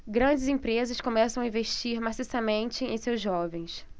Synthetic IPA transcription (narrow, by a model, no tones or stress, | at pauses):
ɡɾɐ̃d͡ʒɪzẽpɾezɐskõmɛsɐ̃w̃aĩveʃt͡ʃiɾmasisɐmẽnt͡ʃɪḛ̃j̃sewzʒːɔvẽj̃s